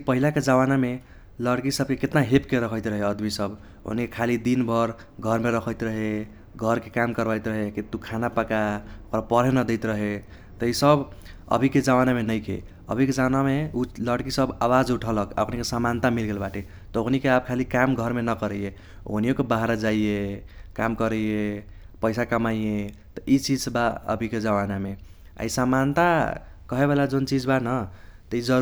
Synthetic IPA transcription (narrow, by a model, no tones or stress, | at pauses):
pəɦilaked͡ʒawaname | ləɽkisəb̚keket̪naɦepkeɾəkʰəjt̪ɾəɦeəd̪misəb | o̰nikekʰalid̪inbʱəɾ | ɡʱəɾmeɾəkʰəjt̪ɾəɦe | ɡʱʌɾkekamkəɾbajt̪ɾəɦekit̪ukʰanapəkaɾapəɾɦenəd̪eɪt̪ɾəɦe | t̪əisəbə̰bʱiked͡ʒawanamenəjkḛ | ə̰bʱiked͡ʒanameuləɽkisəbawad͡ʒuʈʰələka̰əkʰnikesamant̪amilɡelbaʈe | t̪ɔoknikeab̚kʰalikamɡʱəɾmenəkəɾəje | o̰niokebaɦaɾad͡ʒaijekamkəɾəje | pəɪsakəmaije | t̪ɔʔit͡ʃid͡ʒsbaə̰bʱiked͡ʒawaname | a̰isamant̪a | kʌɦeβelad͡ʒont͡ʃid͡ʒbanət̪ʌid͡ʒəɾ